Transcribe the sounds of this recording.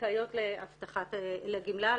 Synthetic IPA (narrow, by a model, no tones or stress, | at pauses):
ajo̞t̪leaft̪aχat̪laɡimla